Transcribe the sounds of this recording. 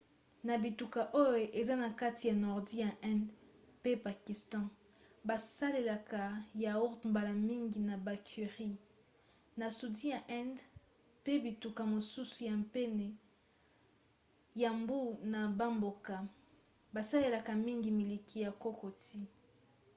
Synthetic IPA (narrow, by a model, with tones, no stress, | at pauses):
na˨bi˨tu˨ka˨ʔo˦jo˨ʔe˨za˦na˨ka˦ti˨ja˨nɔ˨ʁdi˦ja˨ʔɛ̃˦nd | pe˦pa˨ki˨stɑ̃˦ | ba˨sa˦le˨la˨ka˨ja˨o˦tu˨mba˨la˨mi˦ŋɡi˨na˨ba˨kʰi˨ʁi˦ | na˨su˨di˦ja˨ʔɛ̃˦nd | pe˦bi˨tu˨ka˨mo˨su˦su˨ja˨mpɛ˦ne˨ | ja˨mbu˦na˨ba˦mbo˨ka˨ | ba˨sa˦le˨la˨ka˨mi˦ŋɡi˨mi˨li˨kʰi˨ja˨ko˦ko˨ti˦